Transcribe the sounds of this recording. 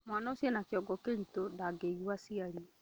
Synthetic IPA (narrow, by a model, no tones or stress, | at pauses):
mwanaosjɛnakjɔɡɔkenitondaɡeiɣwasiaɾi